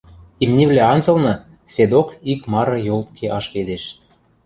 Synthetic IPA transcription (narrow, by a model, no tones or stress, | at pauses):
imnʲeβlʲæɑnzɤ̆lnɤ̆ | sed̪okikmɑɾɤ̆jolt̪kʰeʔɑʃked̪eʃ